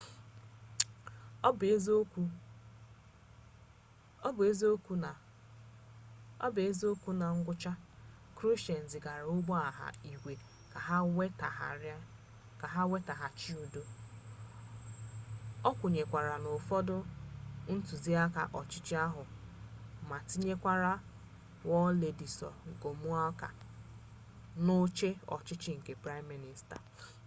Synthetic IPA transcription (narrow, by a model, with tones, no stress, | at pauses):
bzo˦ku˦ | ɔ˦be˦zo˦ku˦˨ | ɔ̰˦be˦zo˦kʷu˦na˨ŋ̩˦ɡʷʊ˦t͡ʃa˦ | kɾo˦ʃe˨n̩˨zɪ˨ɡa˨ɾʊ˦ɡ͡bɔ˦a˨ɦa̰˦˨i˨ɡʷe˨ | ka˨ɦa˦e˦ta˨ɦa̰˨ɾ | ka˨ɦa˦we˦ta˨ɦa˨t͡ʃi˦u˨do˦ | ɔ˦kʷʊ˨ɲe˨kʷa˨ɾa˨nʊ˨fɔ˦dʊ˦n̩˦tu˨zi˦a˦ka̰˨ʔɔ˨t͡ʃɪ˦t͡ʃɪ˦a˦ɦʊ˨ | ma˨ti˦ɲe˦kʷa˦ɾa˦ | wɔ˦le˨di˨sɔ̰˨ŋ̩˨ko˨mu˦a˦ka̰˨ | no˦t͡ʃe˦ɔ̰˨t͡ʃɪ˦t͡ʃɪ˦ŋ̩˨ke˨pɾa˦mːi˦ni˨sta̰˨